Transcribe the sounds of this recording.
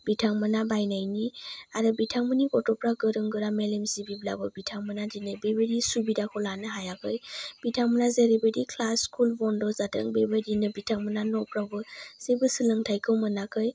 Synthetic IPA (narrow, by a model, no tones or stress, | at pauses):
b̥itʰaŋmɯnabajnajniaɾɯbitʰaŋmɯnikɔtɔpɾaɡɯɾɯŋɡɯɾamelemzibibla̰bɯbitʰaŋmɯnadinɯjbebeɾisubidakʰɔlanɯɦajakʰɯjb̥itʰaŋmənazeɾibedikʰlaskʰulbɔndɔzatʰɯ̰ŋbebədinɯbitʰaŋmənanɔpɾabɯz̥ebɯsɯlɯŋtʰajkʰɯwmɯnakʰɯj